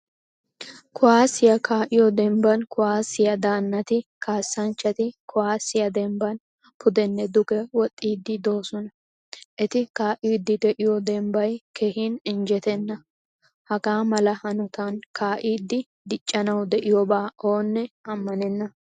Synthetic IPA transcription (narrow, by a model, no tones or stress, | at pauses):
kʰʊwaːsːɪjɐkaːʔɪjɔd̪ɛmbɐnkʊwaːsɪjɐd̪aːnːɐt̪ɪkʰaːsːɐnt͡ʃːɐt̪ɪkʰʊwaːsɪjɐd̪ɛmbɐn | pʊd̪ɛnːɛd̪ʊkɛwɔt̪ʼːiːd̪ːɪd̪o̞ːsɔnɐ | ʔɛt̪ɪkaːʔɪd̪ːɪd̪ɛʔɪjɔd̪ɛmbɐjkehinɪnd͡ʒɛt̪ɛnːɐ | hɐɡaːmɐlɐhɐnʊt̪ɐnkaːʔiːd̪ːɪ | d̪ɪt͡ʃʼːɐnɐwd̪ɛʔɪjɔbaːoːnːɛɐmːɐnɛnːɐ